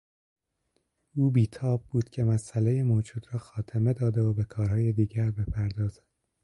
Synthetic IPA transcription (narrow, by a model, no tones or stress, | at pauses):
ʔuːbiːt̪ʰɒːb̚buːd̪̥cʲʰe̞mæsʔæle̞jemoːd͡ʒuːd̪ɾɒːxɒːt̪ʰeme̞d̪ɒːd̪e̞obe̞kʰɒːɾɦɒːje̞d̪iːɟæɾbe̞pʰæɾd̪ɒːzæd̥̪